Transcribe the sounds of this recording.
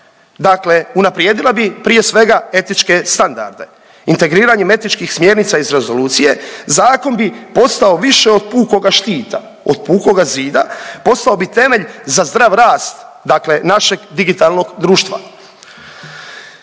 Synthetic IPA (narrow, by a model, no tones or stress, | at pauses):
d̪akle̞unapɾjeːd̪ilˠabipɾije̞sʋe̞ɡae̞t̪nit͡ʃke̞st̪and̪a̰ɾd̪e̞̰ | int̪e̞ɡɾiːɾaɲeme̞t̪it͡ʃkixsmje̞ɾnit̪saizɾe̞zo̞luːt̪sije̞zaːko̞nbipo̞st̪ao̞ʋiʃeo̞d̪̚puːko̞ɡaʃt̪iːt̪a̰ | o̰d̪̥̚puːko̞ɡaziːd̪a̰po̞st̪aobit̪e̞me̞ʎzazd̪ɾaʋɾaːst̪ | d̪akle̞naʃe̞ɡd̪iɡit̪alˠno̞ɡd̪ɾuːʃt̪ʋa̰